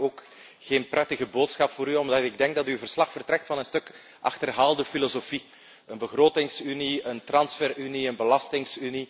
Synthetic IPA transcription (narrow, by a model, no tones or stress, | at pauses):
oːk | xeːnprɛtəɣəboːtsxɑpfoːɾyɔmdɪɡ̚dɛŋɡ̚dɑtyvərslɑxfərtrɛk̚tfɑnənstɵk | ʔɑ̰xtərɦaːlˠdəfilozofi | ənbəɣroːtɪŋsyniəntrɑnsfɛryniənbəlɑstɪŋsyni